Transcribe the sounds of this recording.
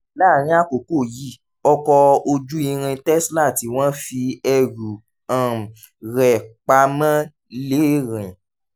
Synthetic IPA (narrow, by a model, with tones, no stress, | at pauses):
la˦˨ɾ̃ĩ˧˦a˦˨ko˨ko˦˨ji˦˨ | ɔ˧kɔ˧o˧d͡ʒu˦i˧ɾ̃ĩ˧tɛ˦sla˦˨ti˨˦w̃ɔ̃˦fi˧ɛ˧ɾu˨ | ã˨ | ɾɛ˨k͡pa˧mã˦ | le˨˦˨ɾĩ˨